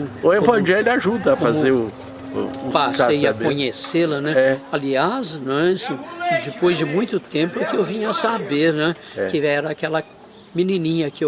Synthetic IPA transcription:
ʊevɐ̃ʒɛlʊaʒud̪ɐːfazeʊ | ʊpasesjɐkõɲeselɐnɛɛaliaznɛ̃sɐ̃d͡ʒɪpojzd͡ʒɪmũj̃t̪ʊt̪ẽpʊɛkɪewvĩɲɐɐsabeɾnɛɛkɪɛɾɐakɛlɐ | minĩnĩɲɐkɪew

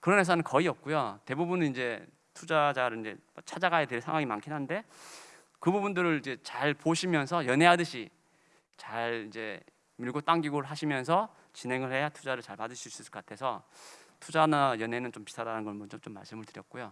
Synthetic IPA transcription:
kɯɾʌnhe̞s̬ʰanɯnkʌiʌp̚k͈ujote̞bubunɯnind͡ʑe̞ | tʰud͡ʑad͡ʑaɾɯɭind͡ʑe̞mat͡ɕʰad͡ʑaɡaedweɭsʰaŋwaŋimankʰinɦande̞ | kɯbubundɯɾɯɭid͡ʑe̞t͡ɕaɭpoɕʰimjʌnsʰʌjʌnɦeɦadɯɕʰi | t͡ɕaɭid͡ʑe̞̰ | miɭɡot͈aŋɡiɡoɾɯɭɦaɕʰimjʌnsʰʌ | t͡ɕinɦe̞ŋɯɭhe̞jatʰud͡ʑaɾɯɭt͡ɕaɭpadɯɕʰiis͈ɯsɯkʌk͈atʰe̞sʰʌtʰud͡ʑanajʌnɦenɯnt͡ɕompi̥tʰaɾanɯnɡʌɭmʌnt͡ɕomt͡ɕ͈omːa̰ɭs͈ɯmɯɭtɯɾjʌt̚k͈ojo

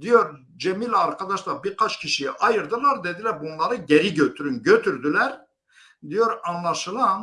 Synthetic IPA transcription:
d̪ijoɾ | d͡ʒemilʲaɾkʰad̪aʃlˠaɾbiɾkʰat͡ʃcʰiʃijɛʔɑjɯɾd̪ɯlˠaɾd̪e̞d̪ilʲæɾbunlˠaɾɯɟeɾiɟøt̪ʰyɾynɟøt̪ʰyɾd̪ylʲæɾ | d̪ijo̞ɾɑnlˠaʃɯlˠan

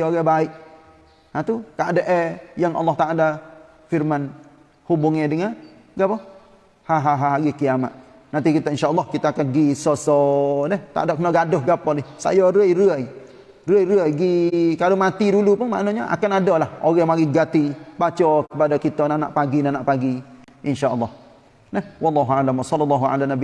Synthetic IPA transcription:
oɣabaɪʔ | at̪ukaʔadaʔɛjaŋʔɑ̰lːɑht̪aʔala | firman | hubʊŋedəŋa | ɡapɔ | haɦaɦaɦaɡikijama̰t̪̚ | nant̪ikit̪aʔinʃaʔɑlːɑhkit̪aːkanɡisɔsɔnɛht̪a̰dɔʔkənɔɡadʊhɡapɔlɪsa̰jɔɾəjruəj | rəəjɾəəjɡikalomat̪idulupʊŋma̰ʔnoɲaʔa̰kanadɔlahoɣamaɡiɡat̪ibat͡ʃɔkəpadakit̪ɔnanaʔpaɡinanaʔpaɡi | ʔɪnʃaʔəlːɑh | nahwɑlːɑɦualamasɔlːɔlːɑɦua̰lanabi

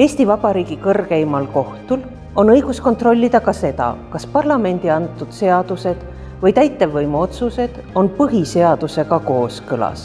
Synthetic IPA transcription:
e̞ːst̪ivɑb̥ɑɾiːɡikɤrɡe̞jimɑlko̞ht̪ul | o̞nɤjɡ̥usko̞nt̪ro̞lʲːid̪̥ɑkɑse̞d̪ɑ̰kɑspɑrlɑme̞nʲd̪̥iɑnt̪ːˑud̪̥se̞ɑd̪̥use̞d̪̥ | vɤjt̪æjt̪ːˑe̞vːɤjmo̞t̪suse̞d̪̥ | o̞npɤɦise̞ɑd̪̥use̞ɡɑko̞ːskɤlɑ̰s

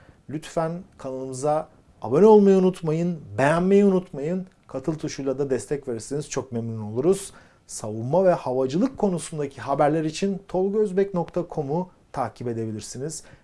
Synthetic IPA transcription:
lʲyt̪fænkʰanalˠɯmɯza̰ː | bøno̞lˠmajaunut̪majɯnbejænmejɛunut̪majɯn | kʰat̪ʰɯlˠt̪ʰuʃujlˠad̪ad̪ɛst̪ʰɛcveɾiɾsiniz̥t͡ʃʰo̞k̚memnʲino̞lˠuɾuz̥ | savunmavɛhavad͡ʒɯlˠɯkʰːo̞nusund̪acʰiɦabæɾlʲæɾit͡ʃʰint̪ʰo̞lˠɟøzbɛcno̞kt̪ʰakʰo̞mut̪ʰaːcʰipe̞d̪e̞bilʲiɾsiniz̥

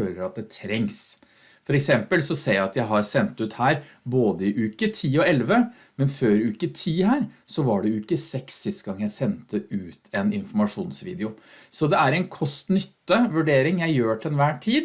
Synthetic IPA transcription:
øːləɾɑt̪̚d̪ɛt̪ʰɾɛŋs | fɔɾɛksɛmpəlsɔseːjæɪɑt̪jæɪɦɑɾsɛnt̪ʉt̪hæːɾ | boːd̪əɪʔʉːkət̪ʰiːɔɛlʋə | mɛnføːɾʉːkət̪ʰiːhæːɾsɔʋɑɖɛʉːkːəsɛksːɪst̪əɡɑŋːjæɪsɛnt̪əʉːt̪ʰɛnɪnfɔmɑʂuːnsʋḭːd̪ɛʊsɔd̪ɛæɾɛɪnkʰɔst̪nʏt̪ːəʋʉɖeːɾɪŋjæɪjøːʈ̪ʰɛnʋæːʈʰiːd̪

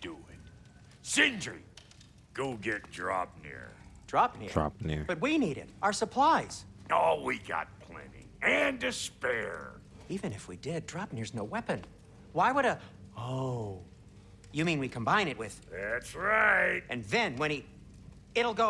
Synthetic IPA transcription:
d̥uɪt̚ | sɪ̃nd͡ʒɹḭ | ɡ̥oɡɛt̚d̥ɹɑ̰p̚nɪ̰ɹd̥ɹɑp̚nɪdɹɑ̰p̚nɪ̰ɹb̥ʌt̚winiɾɪ̰ɾəə˞səpʰl̥aɪz̥olˠwiɡɑ̰t̚pʰl̥ɛ̰̃nḭ̃ | ɨ̃ndɨspɛ̰ɹd̥ | ivɨ̃nɨfwidɪd̚dɹɑp̚nɪɹznoʊwɛpɨ̃n | waɪwəɾəoʊ | jɨmĩnwikʰə̃m̩bãɪ̃ñɨt̚wɪð̥ðætsɹaɪt̚ʔɨ̃nðɨ̃nwɨ̃ɾ̃ | ɪɾl̩ˠɡoʊ

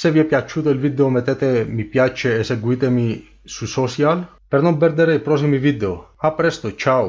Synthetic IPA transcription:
seviɛpːjat͡ʃːuːt̪oilvid̪eomet̪eːt̪emipjat͡ʃeːseɡwuiːt̪emi | susɔt͡ʃjal | pernompɛrd̪eɾeipɾɔs̬imivid̪eoapːɾɛst̪ot͡ʃaw

